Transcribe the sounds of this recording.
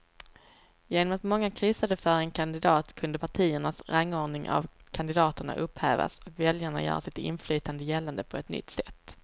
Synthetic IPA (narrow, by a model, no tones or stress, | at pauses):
jeːnɔmat̪mɔŋːakʰɾʏsad̪əfœːɾɛnkʰand̪ɪd̪ɑːt̪kʰɵnd̪əpʰaʈʰiːəɳasɾaŋːoːɳɪŋʔa̰vkʰand̪ɪd̪ɑːt̪əɳa̰ʔɵphæ̰ːva̰sɔkvɛljaɳa̰jœ̰ːɾasɪt̪ɪ̰nflyːt̪and̪əjɛlːand̪əpʰɔɛt̪nʏ̰t̪ːsɛt̪ː